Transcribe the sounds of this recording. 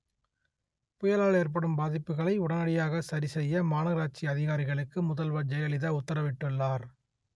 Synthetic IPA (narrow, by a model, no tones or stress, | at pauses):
pʊjɐlaːɭeːɾp̬ɐɽɯmbaːðɪpːɯɣɐɭɐɪʊɽɐnɐɽɪjaːɣɐsɐɾisɛjːɐmaːnɐɣɾaːt͡ʃiɐðɪɣaːɾɪɣɐɭɯkːɯmʊðɐlʋɐd͡ʒɐjɐlɪðɐʊt̪ːɐɾɐʋɪʈːɯɭːaːɾ